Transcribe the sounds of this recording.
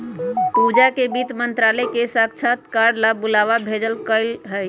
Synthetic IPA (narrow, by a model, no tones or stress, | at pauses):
pud͡ʒakebit̪mənt̪ɾaləkesakt͡ʃʰat̪kaɖlabulaʋabʱed͡ʒəlkəɪlɦəj